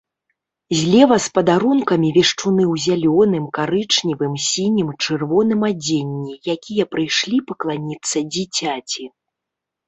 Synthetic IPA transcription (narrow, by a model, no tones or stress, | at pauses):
zʲlʲɛvɐspɐd̪aɾunkɐmʲivʲɛʂt͡ʂunɨwzʲalʲɔnɨmkaɾɨt͡ʂnʲivɨmsʲinʲimt͡ʂɨrvɔnɨmad͡zʲenʲːijakʲijɐpɾɨjʂlʲipɐklˠanʲit̪sːɐd͡zʲit͡sʲat͡sʲi